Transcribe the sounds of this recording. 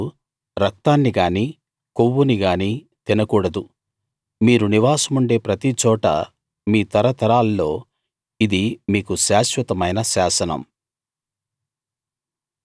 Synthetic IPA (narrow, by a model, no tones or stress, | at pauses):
ɾɐk̚t̪aːnːiɡaːni | koʋːuniɡaːni | t̪inɐkuːɽɐd̪u | miːɾuniʋaːsɐmuɳɖe̞ːpɾɐt̪it͡ʃɔːʈɐ̰ | miːt̪ɐɾɐt̪ɐɾaːlːo̞ː | id̪imiːkuʃaːʃʋɐt̪ɐmɐjnɐʃaːsɐnɐ̰m